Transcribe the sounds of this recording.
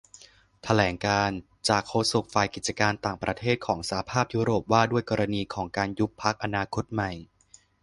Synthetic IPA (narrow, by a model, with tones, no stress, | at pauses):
t̪ʰa˧lɛː˩˦ŋkaː˧n | t͡ɕaː˨˩kʰːoː˧su˨˩k̚fa˨˩jki˨˩t̪̚t͡ɕa˧kaː˧nt̪aː˨˩ŋpɾʔa˧t̪ʰeː˥˩t̪̚kʰɔː˩˦ŋsa˧˩a˦pʰaː˥˩p̚juː˦˥ɾoː˨˩p̚waː˥˩du˥˩əjkɔː˧ɾa˧niː˧kʰɔː˩˦ŋkaː˧nju˦˥pʰːa˦˥k̚ʔa˧naː˧kʰo˦˥t̪̚ma˨˩j